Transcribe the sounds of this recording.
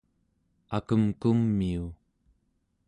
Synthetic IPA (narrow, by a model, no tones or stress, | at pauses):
akəmkumːiu